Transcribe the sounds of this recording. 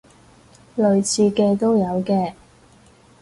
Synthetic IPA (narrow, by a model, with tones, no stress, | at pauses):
lɵ˨ɥt͡sʰiː˧kɛː˧t̪o˥wjɐ˨˧wkɛː˧